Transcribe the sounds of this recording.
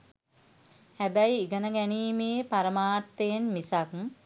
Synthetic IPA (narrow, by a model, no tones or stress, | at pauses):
hæbæjiiɡənəɡæniːmeːpaɾəmaːt̪ːejenmisak